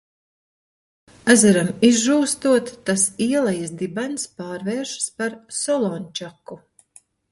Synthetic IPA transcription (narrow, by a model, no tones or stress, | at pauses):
æzaɾamizʒuːst̪uɔt̪ːasiɛlˠajasd̪ibanspaːɾvɛːɾʃspaɾsɔlˠɔnʲt͡ʃaku